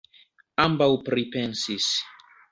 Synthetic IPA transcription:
ambaupɾipɛ̃nsis

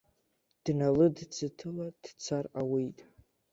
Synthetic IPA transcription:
d̥nalɨdt͡sʰɨtʰɨlad̥t͡sʰarawejtʼ

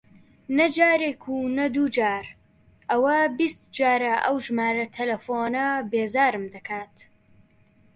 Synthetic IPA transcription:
nɐd͡ʒaːɾekʰunɐd̪uːd͡ʒaːɾ | ʔɐwɐbist̪d͡ʒaːɾɐʔɐwʒmaːɾɐt̪ʰɐlɐfoːnɐbeːzaːɾɨmd̪ɐkʰaːt̪

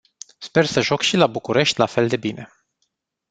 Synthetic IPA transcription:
spe̞rsəʒokʃilabukuɾe̞ʃt̪ʲlafe̞ld̪e̞bine̞̰

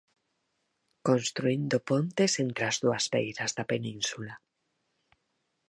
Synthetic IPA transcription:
kõnst̪ɾuind̪opont̪esent̪ɾeazðuazβḛjɾazðapenĩnsula

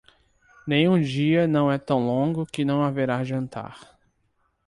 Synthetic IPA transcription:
nẽj̃ũd͡ʒiɐnɐ̃w̃ɛt̪ɐ̃w̃lõɡʊkɪnɐ̃w̃aveɾaʒɐ̃nt̪a̰ɾ

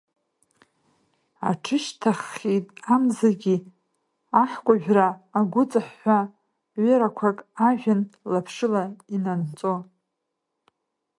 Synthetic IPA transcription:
a̰ʈ͡ʂʰɨʃtʰaχitʼamzaɡʲi | aħkʷʼaʒᶣraːɡʷʊt͡sʼaħːʷa | ɥɪɾakʷʰakʼaʒᶣanlapʰʂɨlainant͡sʼo

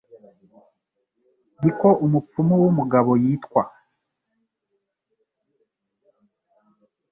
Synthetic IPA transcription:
ndikoʔumup͡fumuwumuɡaβo̞jiːtkwa

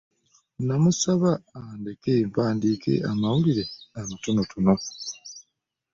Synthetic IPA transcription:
namusaβaːndekempaːndiːke̞̰amawuliɾe̞amatunotʰuno

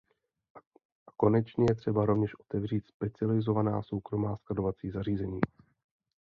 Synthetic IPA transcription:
ako̞nɛt͡ʃɲɛjɛt̪r̝̥ɛbaɾo̞vɲɛʃʔo̞̥t̪ɛvr̝iːt̪spɛt͡sɪalɪzo̞vanaːso̞wkɾo̞maːsklado̞vat͡siːzariːzɛɲiː

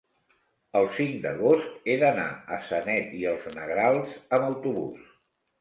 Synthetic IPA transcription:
əlˠsiŋd̪ə̰ɣost̪eðəna̰əsənɛt̪iəlˠznəɣɾalˠzəməwt̪uβṵs

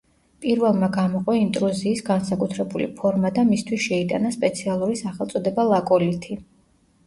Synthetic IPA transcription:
pʼiɾvɛlˠmaɡamɔqʼɔint̪ʼɾuziːsɡansakʼut̪ʰɾɛbulḭpʰɔɾmad̪amist̪ʰwisʃɛit̪ʼanaspʼɛt̪sʰialˠuɾisaχɛlˠt̪sʼɔd̪ɛbalˠakʼɔlit̪ʰi

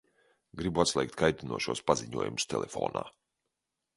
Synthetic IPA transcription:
ɡɾibuat̪slʲˠɛjk̚t̪kajt̪inuɔʃuɔːspaziɲuɔjumst̪ɛlˠʔefɔ̰ːna̰ː

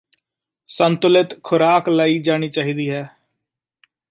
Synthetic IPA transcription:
sənt̪ʊlɪt̪kʰʊɾaːklaːiːd͡ʒaːɽ̃iːt͡ʃaːɦiːd̪iːɦɛː

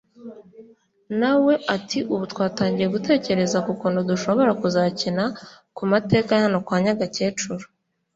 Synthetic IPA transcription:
nawe̞ʔatʰiʔuβutwaːtaːɲɟije̞ɡute̞ːce̞ɾe̞zakukuːnduduʃo̞βo̞ɾakuzacinakumate̞ːkahano̞kwaːɲaɡace̞ːt͡ʃuɾo

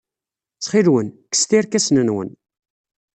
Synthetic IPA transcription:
t͡sχilwənkə̥st̪iɾkæsnənwə̰n

